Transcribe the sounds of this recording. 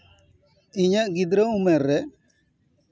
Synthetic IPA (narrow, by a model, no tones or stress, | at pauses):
iɲaɡid̪ɾaumɛɾɛ